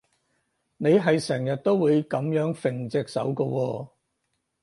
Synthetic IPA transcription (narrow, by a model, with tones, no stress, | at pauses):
ne˨˧jɦɐ˨jsɛː˨˩ŋjɐ˨t̚t̪o˥wwuː˨˧jkɐ˨˧˥mjœː˨˥ŋfɪ˨˩ŋt͡sɪː˨k̚sɐ̰˨˥wkɔː˧wɔː˧